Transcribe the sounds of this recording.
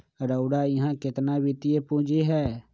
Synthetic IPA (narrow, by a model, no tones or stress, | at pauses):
ɾəʊɽaːɪɦãːkɪt̪naːbɪt̪ɪjeːpũːd͡ʒeːɦɛː